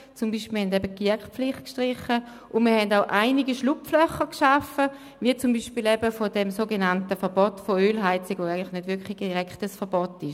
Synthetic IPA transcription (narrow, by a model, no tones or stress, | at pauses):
t͡sumbiʃpihɛndɛbəkiɐkχpp͡flɪχt̚kʃtʁɪχə | ʔʊndmiɐhɛndaʊʔaɪniɡiʃlupflœχəkʃafə | ʋiət͡sumbiːʃpiːlɛbəfodɛmsoːɡenantəfɐbɔtfoøːlɦaɪt͡sɪɡʋoaɪɡəntlɪxnødʋɪɐkʰli̥iʁɛkʰtəsfɛɐb̥ɔtɪʃ